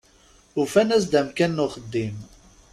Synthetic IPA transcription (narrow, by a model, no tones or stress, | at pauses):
ufænæsd̪æmkænːʊχəd̪ːim